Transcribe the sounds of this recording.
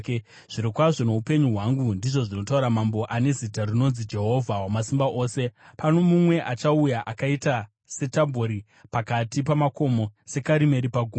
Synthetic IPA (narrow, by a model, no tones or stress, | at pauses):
ʐ̥iɾikwaʐo̞ne̞upe̞ɲuɦwaŋɡundiʐo̞ʐino̞tauɾamambo̞ʔane̞zitarino̞nzid͡ʒe̞ɦo̞vʱawamasimbaʔo̞ːse̞pano̞mumwe̞ʔat͡ʃaujaʔakaita | se̞tambʱoɾi | pakatipamako̞mo̞se̞kaɾime̞ɾipaɡʱuːm